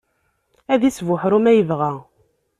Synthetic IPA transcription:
æðisvʊħɾumæjəvʁæ

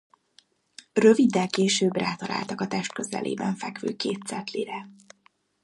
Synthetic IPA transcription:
røvid̪ːɛlkeːʃøːbraːt̪ɒla̰ːlt̪ɒkɒt̪ɛʃt̪̚køzɛ̰lʔḛːbɛɱfɛkʋøːkeːt̪sɛt̪liɾɛ

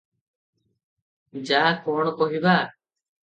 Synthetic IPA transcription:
d͡ʒaːkoːɳkoːɦibaː

